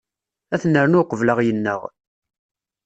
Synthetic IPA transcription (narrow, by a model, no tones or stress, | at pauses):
æθnːəɾənʊqːəvləʁjənːə̰ʁ